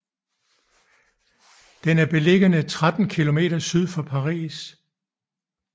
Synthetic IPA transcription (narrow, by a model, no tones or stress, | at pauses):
d̥enæɐb̥e̝le̝ɡ̥ənət͡sʰʁad̥n̩kʰilo̝me̝̰ːɾ̥ɐsyð̞ˠfɒ̽pʰɑ̈ʁḭːs